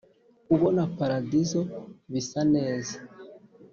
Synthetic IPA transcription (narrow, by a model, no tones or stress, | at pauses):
uβo̞napaɾadizo̞βisane̞ːza